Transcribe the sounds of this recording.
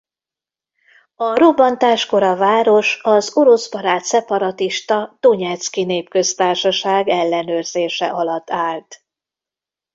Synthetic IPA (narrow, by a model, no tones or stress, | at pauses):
ɒro̞bɒnt̪aːʃko̞ɾɒvaːɾo̞ʃɒzo̞ɾo̞sbɒɾaːt̪sɛpɒɾɒt̪iʃt̪ɒd̪̥o̞ɲɛt̪skineːpkø̞st̪aːrʃɒʃaːɡɛlːɛnøːrz̥eːʃɛʔɒlɒt̪ːaːlt̪